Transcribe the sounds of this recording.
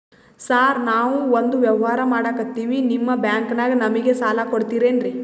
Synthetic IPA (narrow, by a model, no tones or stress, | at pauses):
saːɾnaːʋuond̪uʋjɐʋɐɦaːɾɐmaːɽaːkɐt̪ːiːʋinimːɐbjaːŋkɐnaːɡɐnɐmiɡe̞saːlakoɽt̪iːɾe̞ːnɾi